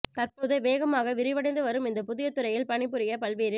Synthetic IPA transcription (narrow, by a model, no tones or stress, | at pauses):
t̪ɐrpoːðɯʋeːɣɐmaːɣɐʋɪɾɪʋɐɽɐɪnd̪ɯʋɐɾɯmɪnd̪ɐpʊðɪjɐt̪ːɯɾɐjɪlpɐɳɪpːɯɾɪjɐpɐɭʋeːɾɪ